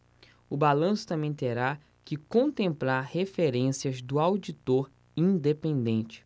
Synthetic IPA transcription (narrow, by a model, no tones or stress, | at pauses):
ʊbalɐ̃sʊ̥t̪ɐ̃mẽj̃t̪eɾa | kɪkõnt̪ẽmplaɾhefeɾẽsiɐzd̪ʊawd͡ʒit̪oɾ | ĩd̪epẽnd̪ẽnt͡ʃɪ̥